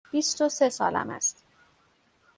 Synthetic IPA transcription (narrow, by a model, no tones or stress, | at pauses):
b̥ist̪osesɒ̰ːlæ̰mæ̰st̪